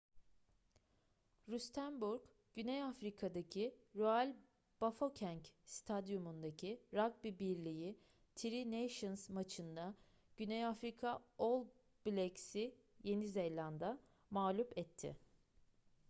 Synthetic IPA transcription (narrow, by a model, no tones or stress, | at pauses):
ɾyst̪ʰænbuɾk | ɟ̥ynejafɾikʰad̪acʰiɾoælʲ | b̥afocʰæɲcst̪ʰad̪jumund̪acʰiɾak̚bibiɾlʲiji | t̪ʰiɾinejʃɯnzmat͡ʃʰɯnd̪a | ɟ̥ynejafɾikʰaolˠ | b̥lʲecsi | je̞nizejlʲand̪a | maːlʲupɛt̪ʰːɪ̰